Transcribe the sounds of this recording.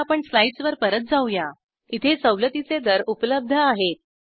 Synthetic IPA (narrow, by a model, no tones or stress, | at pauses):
apəɳslaiʈsʋəɾpəɾət̪̚d͡zauja | it̪ʰet͡səwlət̪it͡sed̪əɾupləb̚d̪ʱəaɦet̪̚